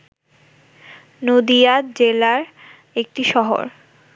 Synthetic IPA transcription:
nod̪ijat̪d͡ʑelaɾ | ek̚ʈiʃɔɦo̰ɾ

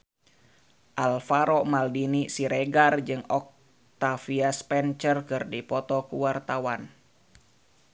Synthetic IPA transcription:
ʔalfaɾɔmaldinisiɾeɡard͡ʒɨŋɔk̚ | t̪afiaspɛnt͡ʃərkɨrdipɔt̪ɔkuwart̪awan

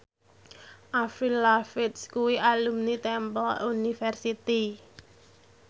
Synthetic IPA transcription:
ʔafɾilafɪt̪skuwiʔalumnit̪ɛmpəlunifɛrsit̪i

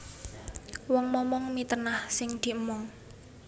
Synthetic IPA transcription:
wɔŋmɔmɔŋmit̪ənahsɪŋd̪̥i̤əmɔŋ

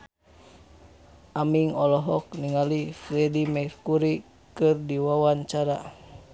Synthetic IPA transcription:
ʔamiŋɔlɔɦɔk̚niŋalifɾɛdimɛrkuɾi | kɨrdiwawaɲt͡ʃaɾa

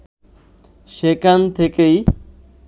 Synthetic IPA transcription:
ʃekant̪ʰekej

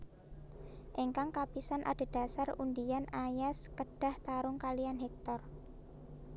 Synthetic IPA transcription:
ʔeŋkaŋkapisanʔa̰ɖ̪̥a̤d̥a̤sarundijanajaskəɖ̥a̤ht̪aɾʊŋkalijanɦek̚t̪ɔr

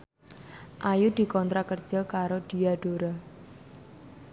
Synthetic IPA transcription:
ʔajud̪̥i̤kɔnt̪ɾakərd̥d͡ʒ̥əkaɾod̪̥i̤aɖ̥oɾɔ

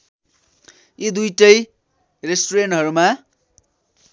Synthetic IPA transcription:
jod̪ujʈʌj | resʈoɾenʈɦʌɾuma

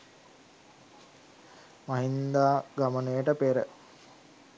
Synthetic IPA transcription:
maɦind̪aːɡamənəjəʈəpeɾə̰

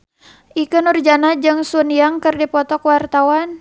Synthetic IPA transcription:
ʔikunurd͡ʒanad͡ʒɨŋsunijaŋkɨrdipɔt̪ɔkwart̪awan

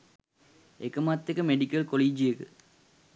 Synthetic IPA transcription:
ekəmat̪ːekəmeɖikɐlkoliːd͡ʒijekə

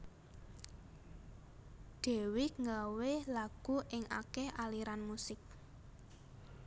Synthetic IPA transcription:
ɖ̪̥e̤wɪkŋɡawelaɡ̥ṳʔɪŋa̰kɛhʔaliɾanmusɪk̚

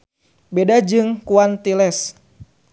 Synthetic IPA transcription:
bedad͡ʒɨŋkuant̪ilɛs

